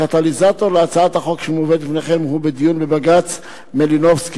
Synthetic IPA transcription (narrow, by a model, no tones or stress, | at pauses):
kat̪alizat̪o̞ʁleat͡saat̪haχo̞kʃemoved̪lifneχe̞mɦubed̪ijunbebaɡat͡s | melinofski